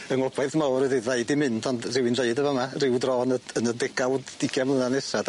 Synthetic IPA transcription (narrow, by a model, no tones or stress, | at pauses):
əŋɔbaɨðmawrəðiveɨdimɪndɔndrɪwinðeɨdəvəmarɪwdrɔːnəənədɪɡ̥awdːɪɡɛmlˠənanɛsad̥